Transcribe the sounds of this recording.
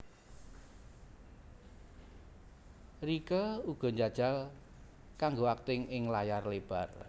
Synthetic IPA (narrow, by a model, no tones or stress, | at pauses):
rikəuɡ̥ɔ̤ɲd͡ʒad̥ʒ̥a̤l | kaŋɡoak̚t̪ɪŋɪŋlajarleb̥a̤r